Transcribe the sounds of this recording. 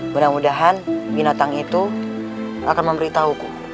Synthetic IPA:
bənamudaɦanbinat̪aŋit̪u | a̰kanməmbəɾit̪auku

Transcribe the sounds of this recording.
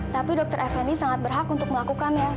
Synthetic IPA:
t̪apidɔk̚t̪əɾʔafɛnisaŋat̪̚bərɦakunt̪ʊk̚məlakukanja

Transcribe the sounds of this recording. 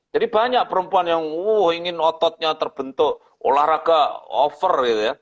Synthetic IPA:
d͡ʒadibaɲaʔ̚pəɾəmpuanjaŋuhiŋɪnɔt̪ɔt̪̚ɲat̪ərb̥ənt̪ʊʔ | o̰lahɾakaɔfərit̪uja

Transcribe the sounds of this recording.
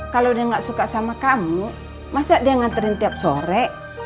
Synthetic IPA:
kalodiaŋɡaʔsukasamakamu | masiaʔdiaŋant̪ɛɾint̪iap̚sɔɾɛ

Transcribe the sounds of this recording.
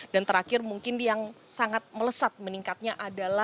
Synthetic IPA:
dant̪əɾakɪrmuŋkɪndiaŋsaŋat̪̚mələsat̪̚məniŋkat̪̚ɲaʔadala

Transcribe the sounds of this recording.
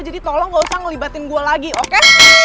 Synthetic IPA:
d͡ʒadit̪ɔlɔŋɡausahŋəlibat̪ɪnɡualaɡiʔoke

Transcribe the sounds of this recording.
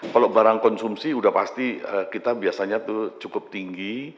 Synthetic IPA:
kalobaɾaŋkɔnsumsiudahpast̪iəkit̪abiasaɲat̪ʊt͡ʃukʊp̚t̪iŋɡi

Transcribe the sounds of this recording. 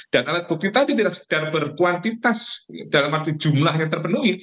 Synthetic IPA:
d̥analabuk̚t̪it̪adit̪idaʔsə̥k̚darbərkuant̪it̪asd̥alamart̪id͡ʒumlahɲat̪ərpənuŋi

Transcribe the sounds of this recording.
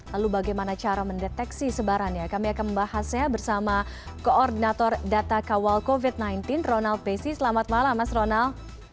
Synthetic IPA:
lalubaɡajmanat͡ʃaɾaməndɛt̪ɛksisəbaɾanɲakamiakanməmbahasɲabərsama | koːrdinat̪ɔrdat̪akawalkovit̪̚najnt̪ɪnronalt̪̚besisəlamat̪̚malamasronalt̪̚

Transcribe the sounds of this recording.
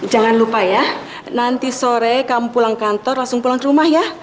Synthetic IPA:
d͡ʒa̤ŋanlupaja | nant̪isoɾɛkampulaŋkant̪ɔrlasʊŋpulaŋɾumahjah

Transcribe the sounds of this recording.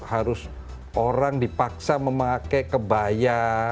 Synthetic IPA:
haɾʊs | ʔoɾaŋdipaksaməmakɛkəbaja

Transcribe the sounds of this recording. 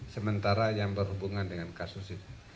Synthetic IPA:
səmənt̪aɾajaŋbərɦubuŋandəŋankasusit̪u̥

